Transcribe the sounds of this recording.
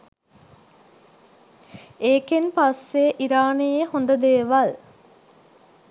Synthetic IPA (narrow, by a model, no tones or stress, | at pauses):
eːkenpasːeʔiɾaːnejehond̪əd̪eːʋɐl